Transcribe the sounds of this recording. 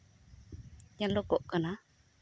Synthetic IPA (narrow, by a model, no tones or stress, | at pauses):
ɲalokoʔkəna